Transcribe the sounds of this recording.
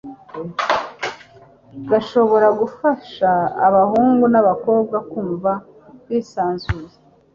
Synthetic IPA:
ɡaʃo̞βo̞ɾaɡufaʃaːβahuːŋɡunaβako̞ːb̚ɡakuːɱva | kwiːsaːnzuze

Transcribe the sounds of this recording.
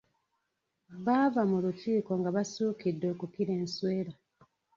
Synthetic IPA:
βavamulutiːkoŋɡaβasuːkidːo̞ːkukiɾe̞ːnsweːɾa

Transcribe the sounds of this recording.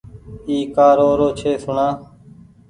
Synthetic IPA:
iːkaːɾoːɾoːt͡ʃʰeːsʊɳaː

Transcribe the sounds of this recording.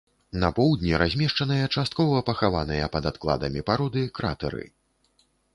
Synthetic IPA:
nɐpɔwd̪ʲnʲiɾʔazʲmʲɛʂt͡ʂɐnɨjɐt͡ʂast̪̚kɔvɐpɐxava̰nɨjɐpɐd̪at̪klˠa̰d̪ɐmʲipaɾɔd̪ɨkɾa̰t̪ɛ̰ɾɨ̰

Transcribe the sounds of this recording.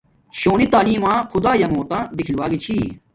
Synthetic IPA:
ɕoːnit̪aːliːmãːkʰʊd̪aːjɐmõːt̪ãːd̪ɪkʰilʋaːɡit͡ɕʰiː

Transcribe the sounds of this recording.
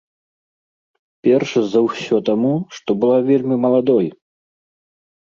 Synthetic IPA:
pʲɛrʂɐzɐwsʲɔt̪amuʂt̪ɔbɨlˠavʲɛlʲmʲimɐlˠad̪ɔj

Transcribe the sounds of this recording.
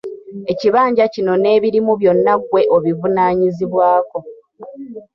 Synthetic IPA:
e̞ciβaːɲɟacino̞ne̞ːβiɾimuβjo̞nːakwe̞ʔoβivunaːɲiziβwaːko̞

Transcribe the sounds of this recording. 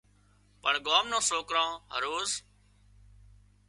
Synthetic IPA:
pəɳɡaːmnãːsoːkɾãːɦə̰ɾoːz

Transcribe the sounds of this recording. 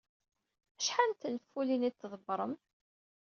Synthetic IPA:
æʃħant̪nəfːulinit̪ːðˤəbːɾˤəm

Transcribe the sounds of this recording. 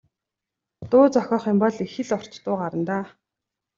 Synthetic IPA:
t̪ʊːt͡sɔxʲɔːχĭmpɔɮexɘ̆ɮɔr̥t͡ɕt̪ʊːɢaɾə̆nt̪aː

